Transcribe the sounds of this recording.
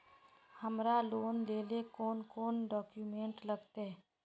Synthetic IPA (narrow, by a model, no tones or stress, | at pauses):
həmɾaloːnd̪eːlekoːnkoːnɖɔːkjumẽːɳʈləɡt̪e